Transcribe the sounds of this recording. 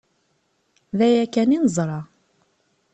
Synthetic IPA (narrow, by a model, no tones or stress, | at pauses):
ðæjækːæninəzˤɾˤɑ